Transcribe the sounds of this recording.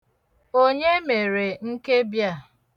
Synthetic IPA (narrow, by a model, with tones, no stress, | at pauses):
o˦ɲe˦me˨ɾe˨ŋ̩˦ke˦bja˦˨